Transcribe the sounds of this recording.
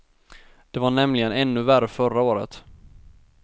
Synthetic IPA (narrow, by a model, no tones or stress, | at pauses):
d̪̥ɛvaɳɛmlɪɡənɛnːɵværəfœɾaoːɾə̰t̪